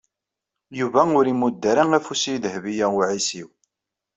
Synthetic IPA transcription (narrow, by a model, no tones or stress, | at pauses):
juvæʊɾimud̪ːəɾaŋæfusijðəhvijæʊʕisiw